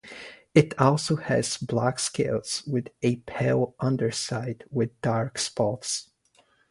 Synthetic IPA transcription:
ɨtɔlˠsoʊɨz̥blækskeɪlˠz̥wɨðɨpʰeɪlˠʔʌ̃ndə˞saɪdwɪðdɑɹkspɑts

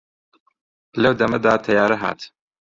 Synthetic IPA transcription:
lɐwd̪ɐmɐd̪aːt̪ʰɐjaːɾɐɦa̰ːt̪

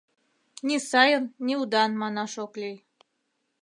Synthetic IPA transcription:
nʲisɑjənːʲiud̪ɑnmɑnɑʃoklʲij

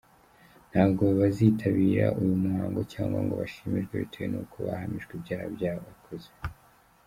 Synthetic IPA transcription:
n̥haːbɡo̞ββaziːtʰaβiːɾa̰ʔujumuhaːŋɡo̞caːŋɡa̰ŋɡo̞̰βaʃimiʒɡweβitʰejenukʰoβa̰hamiʒɡibɟaːhabɟaːhoβakʰoze

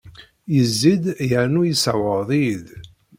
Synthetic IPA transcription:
jəzːid̪jəʕnujisawəðˤið

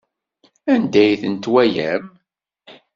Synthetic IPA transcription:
ænd̪æjθənt̪wæjæm

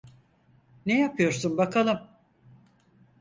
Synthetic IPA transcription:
nejapʰɯjo̞ɾsunbakʰalˠɯm

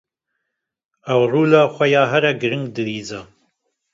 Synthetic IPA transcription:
ɐwruːlaːxʷɐjɑːɦɐɾɐɡɨɾɨŋɡd̪ɨwiːzɐ

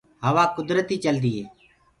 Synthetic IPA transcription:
ɦəʋaːkʊd̪ɾət̪iːt͡ʃəld̪iːɦeː

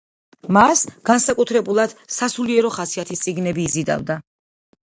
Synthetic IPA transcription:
masɡ̥ansakʼut̪ʰɾɛbulˠad̪̥sasuliɛɾɔχasiat̪ʰist̪sʼiɡnɛbiːzid̪a̰vd̪a

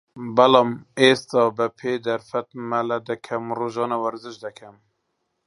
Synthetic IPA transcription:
bɛlɑːmeːst̪ɑːbəpʰeːd̪æɾfɛt̪mælɛd̪ɨkʰɛmroʒɑːnɑwæɾzɨʃd̪ɛkʰɛm

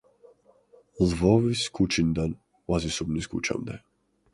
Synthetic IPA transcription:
lvɔviskut͡ʃind̪an | wazisubniskṵt͡ʃa̰md̪ɛ̰

